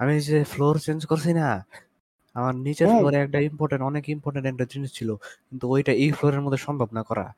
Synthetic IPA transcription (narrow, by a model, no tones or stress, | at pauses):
amid͡ʑefloɾt͡ɕend͡ʑkoɾt͡ɕʰina | amaɾnit͡ɕeɾfloɾɛk̚ʈaimpoɾʈeɳʈɔnekimpɔɾʈeɳʈɛk̚ʈad͡ʑinit͡ɕt͡ɕʰilokint̪uojʈaejfloɾeɾmod̪ʱːeʃɔmbʱabnakɔɾa̰